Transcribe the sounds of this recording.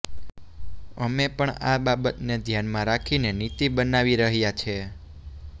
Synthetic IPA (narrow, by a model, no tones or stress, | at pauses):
əmepəɳa̰ɓabət̪ned̪ʱjanmãɾakʰinenit̪iɓənaʋiɾəɦjat͡ʃʰe